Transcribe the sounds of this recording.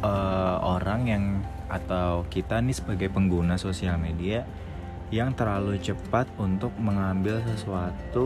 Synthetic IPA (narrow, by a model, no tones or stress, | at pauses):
əoɾaŋjaŋ | at̪awkit̪anisəbaɡajpəŋɡunasosialmedia | jaŋt̪ərlalut͡ʃəpat̪̚unt̪ʊk̚məŋambɪlsəsuat̪u